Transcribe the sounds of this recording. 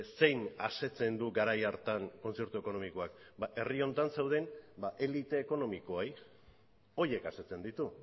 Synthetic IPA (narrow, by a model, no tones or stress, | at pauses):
se̞jnase̞t͡se̞nd̪uɡaɾajaɾt̪aŋko̞nt͡se̞ɾt̪ueko̞no̞miko̞akbaʔe̞rio̞nt̪ansawð̞e̞nbaʔe̞lit̪e̞ːko̞no̞miko̞aj | o̞je̞kaset͡se̞nd̪it̪u